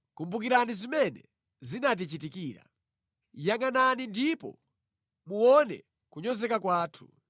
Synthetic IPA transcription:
kumbuk̬iɾanizimɛnɛ | zinat̬it͡ʃitikiːɾa̰ | jaŋananindipɔ̰ | muwɔnɛ̰ | kuɲɔzɛkakwaːtʰu̥

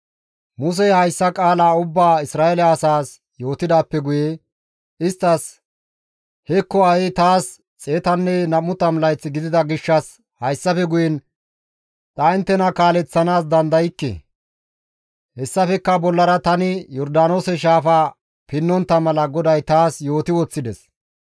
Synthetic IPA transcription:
mʊs̬ɛhɐjsːɐkʼaːlaːʊbːaːɪsɾaːɛlɐːsaːs | jo̞ːt̪ɪd̪aːpːɛɡʊje | ɪst̪ːɐs | hɛkːɔɐjɛt̪aːs | t͡sʼeːt̪ɐnːɛnɐmːʊt̪ɐmlɐjt͡sːɪɡɪd̪ɪd̪ɐɡɪʃːɐs | hɐjsːɐfɛɡʊjɛn | t̪ʼɐɪnt̪ːɛnɐkaːlɛt͡sːɐnaːs̬d̪ɐnd̪ɐjɪkːɛ̰ | hɛsːɐfɛkːɐbɔlːɐɾɐt̪ɐnɪjɔɾd̪aːno̞ːsɛʃ̬aːfaː | pɪnːɔnt̪ːɐmɐlɐɡɔd̪ɐjt̪aːsjo̞ːt̪ɪwɔt͡sːɪd̪ɛs

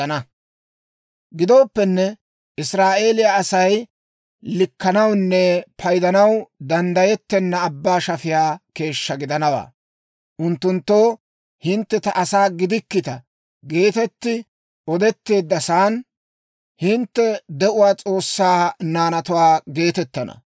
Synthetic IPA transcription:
ɐnɐ | ɡɪd̪o̞ːpːɛnːɛ | ʔɪsɾaːʔe̞ːlɪjaːsɐj | lɪkːɐnɐwnːɛpʰɐjd̪ɐnɐwd̪ɐnd̪ɐjɛt̪ːɛnːɐːbːaːʃɐfɪjaːke̞ːʃːɐɡɪd̪ɐnɐwa̰ː | ʔʊnt̪ːʊnt̪ːo̞ː | hɪnt̪ːɛt̪ɐʔɐsaːɡɪd̪ɪkːɪt̪ɐ | ɡe̞ːt̪ɛt̪ːɪ | ɔd̪ɛt̪ːe̞ːd̪ːɐsaːn | hɪnt̪ːɛd̪ɛʔʊwaːt͡sʼo̞ːsːaːnaːnɐt̪ʊwaːɡe̞ːt̪ɛt̪ːɐnɐ̰

